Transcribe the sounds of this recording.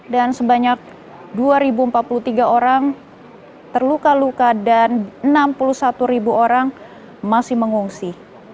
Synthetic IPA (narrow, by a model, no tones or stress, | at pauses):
dansəbaɲak̚ | duaɾibuəmpat̪̚pulut̪iɡaoɾaŋ | t̪ərlukalukadanənampulusat̪uɾibuʔoɾaŋ | masɪhməŋuŋsi